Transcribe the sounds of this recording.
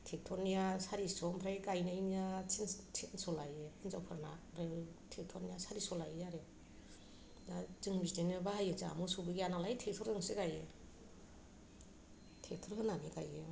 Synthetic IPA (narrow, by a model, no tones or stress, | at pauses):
tʰek̚tʰɔnijasaɾisɔmpʰɾajkajnainijasʰintʰinsɔlajeinzawpʰɯɾana̰ɾeltʰek̚tʰɔnijasaɾisɔlajjaɾe | nazɯŋbitenɯbahajɯt͡ʃa̰musubɯɡijanalajtʰek̚tʰɔɾdɯŋsiɡaje | tʰek̚tʰɔɾhɯnanikaje